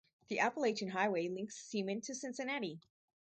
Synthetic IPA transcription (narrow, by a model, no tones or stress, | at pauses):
ðiʔæpəleɪʃɨ̃nɦaɪweɪlɪ̃ŋksːĩmɨ̃ntʰɨsɪ̃nsɨnɛɾi